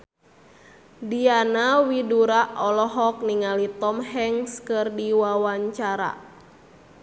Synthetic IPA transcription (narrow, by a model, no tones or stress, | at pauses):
dianawiduɾaʔɔlɔɦɔk̚niŋalit̪ɔmhɛŋskɨrdiwawaɲt͡ʃaɾa̰